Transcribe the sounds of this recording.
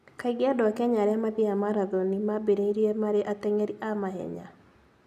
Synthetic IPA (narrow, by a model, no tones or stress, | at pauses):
kaɪɡɪadɔkɛɲaɾɛamad̪ɪamaɾad̪onimabeɾeiɾjemaɾɛʔat̪ɛŋeɾiamaɦɛ̰ɲa̰